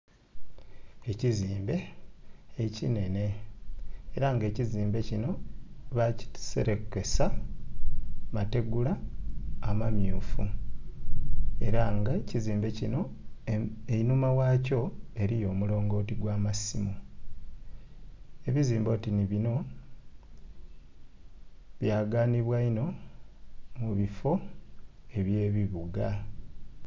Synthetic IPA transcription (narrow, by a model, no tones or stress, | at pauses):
e̞ciziːmbe̞ː | cine̞ne̞ː | ɾaŋɡe̞ːciziːmbe̞cino̞βaci̥se̞̰ɾe̞ke̞sa | mate̞ɡulaː | mamjuːfu | e̞ɾaŋɡaciziːmbe̞cino̞ | einumawaːco̞e̞ɾijo̞ːmulo̞ːŋɡo̞ːtiɡwaːmasimu | e̞βiziːmbo̞ːtiniβino̞ | βjaːɡaːniβwaino̞ | muβifo̞ | e̞βje̞ːβiβuɡa